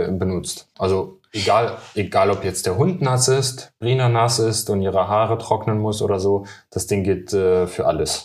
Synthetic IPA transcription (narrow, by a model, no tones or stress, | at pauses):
bənʊt͡stʔalzoʔeɡaːlʔeɡaːlɔpjɛt͡std̥eːɐɦʊntnasɪstb̥ʁiːnɐnasɪstʊntʔiːʁəɦaːʁətʁ̥ɔknənmʊsʔo̰ːdɐzoːd̥asd̥ɪŋɡɪltʔɛːfyːɐʔaləs